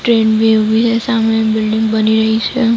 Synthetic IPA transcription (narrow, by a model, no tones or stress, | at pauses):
ʈɾẽːnbiʋisesamebɪlɖɪ̃ŋɡbəniɾəɦit͡ʃʰe